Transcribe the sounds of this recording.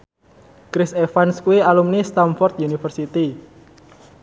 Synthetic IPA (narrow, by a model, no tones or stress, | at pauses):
kɾɪsefanskuwialumnist̪amfɔrt̪junifərsit̪i